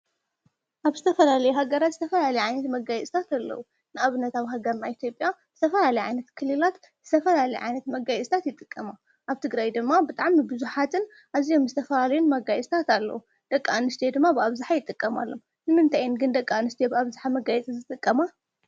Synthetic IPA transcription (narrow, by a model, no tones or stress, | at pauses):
ʔaβzɨt̪ʰɐfɐlalɐjuhaɡɐɾat̪zɨt̪ʰɐfɐlalɐjʕajnɐt̪mɐɡajɛt͡sʼt̪ʰat̪alːɐ̰wu | nɨʔaβɨnːɐt̪aβɦaɡɐɾnaʔit̪ʰjo̞pʼjaz̥ɨt̪ʰɐfɐlalɐjʕa̰jnɐt̪kʰɨlːɨlat̪ | zɨt̪ʰɐfɐlalɐjʕa̰jnɐt̪mɐɡajɛt͡sʼt̪ʰat̪jɪt̪ʼɨkʼːɐma | ʔaβt̪ʰɨɡɾajd̪ɨmːabɨt̪ʼaʕmɨbɨzuħat̪ʰɨn | ʔaβzijo̞mzɨt̪ʰɐfɐlalɐjunmɐɡajsʼt̪ʰat̪alːɐ̰wu | d̪̥ɐkʼːaanɨst̪ʰed̪ɨmːabɨaβzaħajɪt̪ʼːɨkʼːɐma̰lːo̰m | nɨmɨnt̪ʰajɪnɡɨnd̪ɐkʼːaanɨst̪ʰebɨaβzaħamɐɡajɛt͡sʼizɨt̪ʼɨkʼːɐma